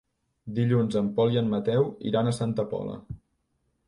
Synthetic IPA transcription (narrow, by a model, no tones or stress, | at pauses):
d̪iʎunzəmpɔlˠiəmːət̪ɛwḭɾanəsant̪əpɔ̰lə̰